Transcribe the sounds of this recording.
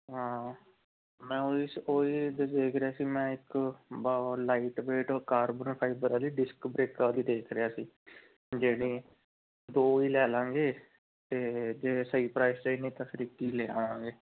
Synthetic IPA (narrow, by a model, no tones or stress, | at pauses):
ɦãː | mɛ̃ːoːiːsoːiːd̪d̪eːkʰɾɪaːsiːmɛ̃ːɪkbalaːiːʈbeːʈoːkaːɾbənpʰaːɪbəɾaːliːɖɪskbɾeːkaːd̪iːd̪eːkʰɾɪjaːsiː | d͡ʒeːɽ̃ĩː | d̪oːiːlɛːlãːŋɡeː | t̪eːd͡ʒeːsəiːpɾaːɪst͡ʃenĩːt̪əsɾiːkiːlɛːãːãːŋɡeː